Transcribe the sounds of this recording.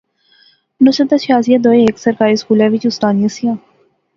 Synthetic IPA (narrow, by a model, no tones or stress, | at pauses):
nʊsət̪at͡ʃʰaːzijãd̪oːeeːksəɾkaːɾiːskuːlɛ̃ːʋɪt͡ʃʊst̪aːnijãːsijãː